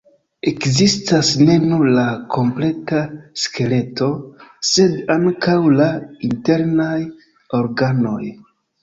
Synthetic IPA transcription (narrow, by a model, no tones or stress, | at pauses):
e̞kzistasne̞nuɾlakʰo̞mple̞taske̞le̞to̞se̞daŋkawlainte̞ɾnaj | o̞ɾɡano̞̰j